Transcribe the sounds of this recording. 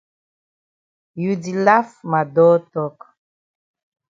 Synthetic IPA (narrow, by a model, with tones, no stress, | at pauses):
ju˨di˨la˦fma˨dɔː˦tɔ˦k